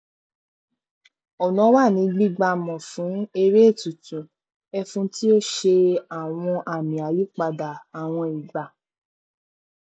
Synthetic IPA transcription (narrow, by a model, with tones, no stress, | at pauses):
ɔ˨nɔ̃˨˦wa˦˨nĩ˨˧˦ɡ͡bi˦˨ɡ͡ba˧mɔ̃˨fũ˨˦e˧ɾe˦e˦˨tu˨tũ˨ | ɛ˧fũ˦ti˦o˦ʃe˧a˨w̃ɔ̃˧ʔa˨mĩ˨a˨li˦k͡pa˧da˨a˨w̃ɔ̃˧i˨ɡ͡ba˨